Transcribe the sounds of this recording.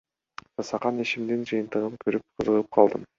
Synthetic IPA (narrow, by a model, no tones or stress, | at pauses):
d͡ʒɑsɑqɑneʃimd̪ind͡ʒɯjɯnt̪ɯʁɯmkʰøɾyp̚qʰɯzɯʁɯp̚qʰɑlˠd̪ɯm